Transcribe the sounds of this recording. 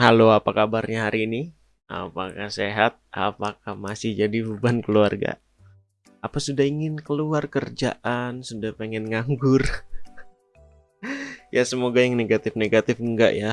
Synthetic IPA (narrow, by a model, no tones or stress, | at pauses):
haloapakabarɲaɦaɾiːni | ʔa̰pakahseɦat̪̚a̰pakahmasɪhd͡ʒadibəbankəluarɡa̰ʔ | apasudahiŋɪnkəluarkərd͡ʒa̰ʔansudahpeŋɛnŋaŋɡʊr | jasəmoɡajaŋneɡat̪ɪfneɡat̪ɪfəŋɡa̰ʔja